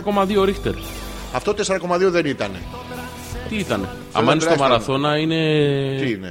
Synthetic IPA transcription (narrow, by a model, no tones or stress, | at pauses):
ko̞mɐðioɾixt̪eɾ | ɐft̪ot̪eseɾɐko̞mɐðioðenit̪ɐnḛ | t̪iit̪ɐne̞̰ | ɐ̰mɐinest̪omɐɾɐθo̞nɐine̞ine